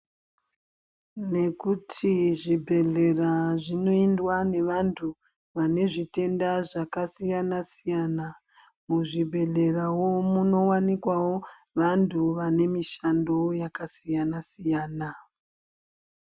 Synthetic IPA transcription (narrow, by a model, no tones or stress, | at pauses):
ne̞kutʰiʐibʱe̞ɮe̞raʐino̞indwane̞ʋantʰu | ʋane̞ʐite̞ndaʐakasijanasijana | muʐibʱe̞ɮe̞rawo̞muno̞wanikwawo̞ | ʋantʰuʋane̞miʃando̞jakasijanasijaːna